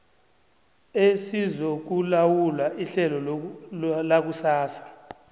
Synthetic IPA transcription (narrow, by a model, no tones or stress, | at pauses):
esizok̬ulawulaʔiɬɛlɔ | lak̬usaːsḁ